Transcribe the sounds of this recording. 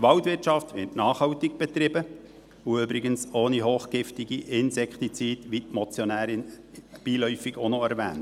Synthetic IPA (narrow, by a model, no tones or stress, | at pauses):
tʋɑwtvʋɪrtʃɑft̪ʋɪtnɑːχhɑʊtiɡ̚b̥ɛt̪ɾɪbə | uøbɾɪɡənsoːniɦoːχɡ̥ɪftɪɡiʔɪnsɛkχt̪it͡siːdʋitmɔt͡sjɔnæːɾɪn | b̥iːlœʏfiɡonoæɾʋæ̰ːnt